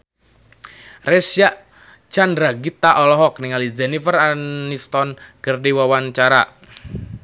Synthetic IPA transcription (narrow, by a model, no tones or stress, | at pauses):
rɛsjaʔ | t͡ʃandɾaɡit̪aʔɔlɔɦɔk̚niŋalid͡ʒɛnifəranist̪ɔnkərdiwawant͡ʃaɾaʔ